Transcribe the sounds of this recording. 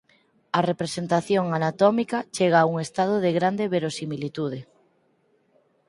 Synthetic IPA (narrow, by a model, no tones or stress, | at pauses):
ɐrepɾesent̪aθjoŋanat̪ɔmikat͡ʃeɣaːuŋest̪aðoðeɣɾand̪eβeɾosimilit̪uð̞e